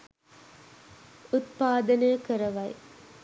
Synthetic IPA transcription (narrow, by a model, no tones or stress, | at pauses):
ut̪paːd̪ɐnəjəkəɾɐʋɐj